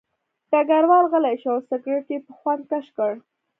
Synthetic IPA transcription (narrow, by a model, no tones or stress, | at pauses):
ʈaɡaɾwɑlɣəlajʃawsɪkɾeʈepəxwand̪̚kaʃkəɽ